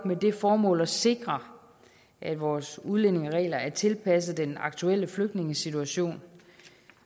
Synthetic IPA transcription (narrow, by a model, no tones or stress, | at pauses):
ɡ̥med̥e̝fɒːmɔ̰ːlɒse̝ɡ̥ʁɐ | ʔæd̥ʋɒːsuðˠlene̝ŋəʁɛ̰ːlɐæɐt͡sʰe̝lpʰæs̬ð̩ˠd̥enɑ̈ɡ̥t͡sʰuel̰əfløɡ̥d̥ne̝ŋəsit͡sʰuæɕo̝̰ːn